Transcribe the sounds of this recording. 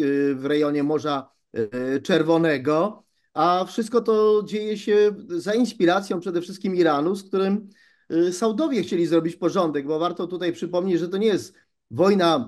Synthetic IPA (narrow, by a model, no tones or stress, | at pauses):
vɾɛjɔɲɛmɔʐa | t͡ʂɛɾvɔnɛɡɔ | afʂɘst̪̚kɔt̪ɔd͡ʑejɛɕɛzainspʲiɾat̪sjɔ̃pʂɛd̪ɛfʂɘst̪kʲimiɾanuskt̪uɾɘm | sawd̪ɔvʲjɛxt͡ɕelʲizɾɔbʲit͡ɕpɔʐɔnd̪ɛɡbɔvaɾt̪ɔt̪ut̪ajpʂɘpɔmɲet͡ɕʐɛt̪̬ɔɲɛjɛst̪ | vɔjna